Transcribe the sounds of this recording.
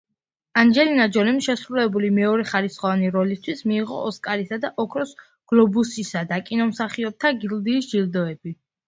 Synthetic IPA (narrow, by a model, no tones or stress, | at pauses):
and͡ʒɛlinad͡ʒɔlimʃɛsɾulɛbulimɛɔɾɛχaɾisχɔvaniɾɔlist̪ʰwismiːʁɔ̰ɔskʼaɾisad̪aʔɔkʰɾɔs | ɡ̥lˠɔbusisad̪akʼinɔmsaχiɔb̚t̪ʰaɡild̪iːsd͡ʒild̪ɔɛbi